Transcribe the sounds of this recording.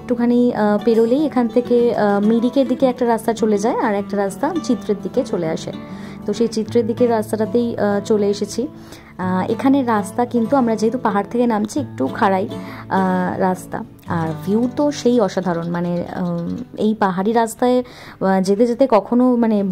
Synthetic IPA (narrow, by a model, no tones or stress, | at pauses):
ek̚ʈukʰanipeɾolejekʰant̪ʰekemiɽikeɾd̪ikeɛk̚ʈaɾast̪at͡ɕoled͡ʑaeaɾɛk̚ʈaɾast̪at͡ɕit̪ːɾeɾd̪ʱiket͡ɕoleaʃḛ | t̪oʃejt͡ɕit̪ːɾeɾd̪ʱikeɾast̪aʈat̪ejt͡ɕoleeʃet͡ɕʰi | ḛkʰaneɾast̪akint̪uamɾad͡ʑeɦet̪opaɦaɾt̪ʰekenamt͡ɕʰiek̚ʈukʰaɽaj | ɾast̪a̰ | aɾvʱjuːt̪oʃejɔʃad̪ʱaɾonmane | ḛjpaɦaɾiɾast̪ae | d͡ʑet̪ed͡ʑet̪ekɔkʰonomane